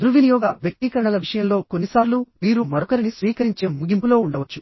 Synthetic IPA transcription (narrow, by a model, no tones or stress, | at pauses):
d̪ɾuʋinijɔːɡɐʋjɐk̚t̪ikɐɾɐɳɐlɐʋiʂɐjɐmlo̞ːkonːisaːɾlumiːɾumɐɾɔkɐɾinisʋiːkɐɾiɲt͡ʃeːmuɡimpulo̞ːuɳɖɐʋɐt͡ʃːu̥